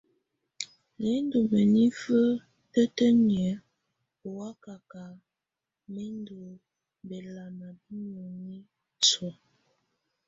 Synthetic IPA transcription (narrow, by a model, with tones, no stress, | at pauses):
le˨˦n˦do˨mə˨ni˦fə˦ | tə˦tə˦m˨ɛ˨˦ | o˨wa˦ka˨ka˨ | me˦ndo˨ | bɛ˨la˨na˨bi˦ɲo˨ni˦ | t͡sɔ˨